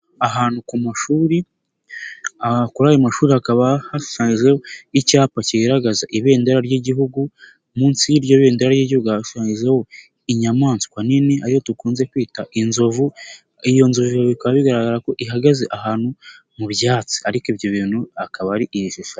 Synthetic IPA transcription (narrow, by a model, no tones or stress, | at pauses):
aɦaːn̥ukumaʃuːɾi | akuɾaːjomaʃuːɾihakaβahaʃaːɲizehoicaːpaciɡaɾaɡazaʔiβe̞ːndaɾaɾɟeɟiɦuɡu | muːnsijiɾɟoβe̞ːndaɾaɾjeɟihuɡuaʃaːɲizeho̞ | iɲamaːnsi̥kwaniniaɾiho̞tukuːnze̞kwiːtaʔinzo̞vu | ijo̞nzovuβiaβikaβaβiɡaɾaɡaɾako̞ʔiɦaɡazeʔahaːnhu | muβjaːt͡si̥aɾikibjo̞βiːn̥huakaβaɾiʔijiʃiʃa